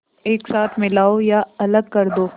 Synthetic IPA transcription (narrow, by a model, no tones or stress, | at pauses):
eːksaːt̪ʰmɪlaːojaɐləɡ̚kɐɾd̪oː